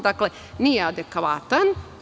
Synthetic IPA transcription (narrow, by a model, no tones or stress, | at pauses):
d̪akle | nijead̪ekʋaːt̪an